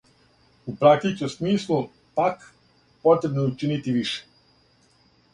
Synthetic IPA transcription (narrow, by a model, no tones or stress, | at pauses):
upɾak̚t̪it͡ʃemsmiːslˠu | pak | pot̪ɾebnout͡ʃinit̪iʋiʃe̥